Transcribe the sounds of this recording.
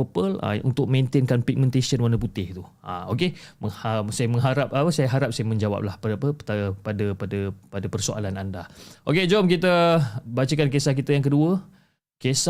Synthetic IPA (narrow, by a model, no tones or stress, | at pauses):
opəla̰ṵnt̪ʊk̚mẽnt̪enkanpik̚mɛ̃nt̪esənwanəp̬ut̪ɪht̪u | ʔa̰okeməŋhasajəmə̃ŋɦaɾap̚ʔapəsajəɦaɾap̚sajəmə̃ɲd͡ʒawa̰p̚lahpadapət̪apadəpadəpadəpərsoʔa̰lanandaʔoked͡ʒɔmkit̪əbat͡ʃəkankesahkit̪əjaŋkəduə | kesa